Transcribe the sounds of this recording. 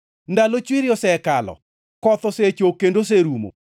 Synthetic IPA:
ndalot͡ʃwiɾɪjɔsɛkalɔ̰ | kɔt̪ɔset͡ʃokendos̬eɾumo̰

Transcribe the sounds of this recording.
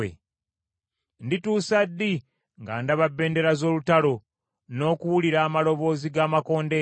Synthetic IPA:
ḛ | ndituːsadːi | ŋɡa̰ndaβabːe̞ːnde̞ɾazo̞ːlutalo̞ | no̞ːkuwuliɾaːmalo̞βo̞ːziɡaːmako̞ːnde

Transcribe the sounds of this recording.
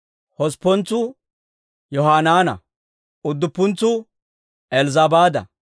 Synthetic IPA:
hɔspːɔnt͡sːʊ | jɔhaːnaːnɐ̰ | ʊd̪ːʊpːʊnt͡sːʊ | ɛlzɐbaːd̪ɐ̰

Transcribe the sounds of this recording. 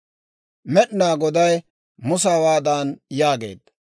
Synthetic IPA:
mɛɗnaːɡɔd̪ɐj | mʊsaːwaːd̪aːnjaːɡḛːd̪

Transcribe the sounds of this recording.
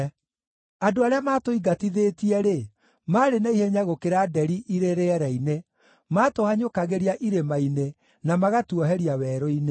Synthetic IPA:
adoaɾeamaːtoiɡatiðeːtiɛɾe | maːɾenaiheɲaɣokeɾadɛɾiʔiɾeɾeɛɾɛine | matohaɲokaɣeɾiaʔiɾemaine | namaɣatuɔɦɛɾiawɛɾoine

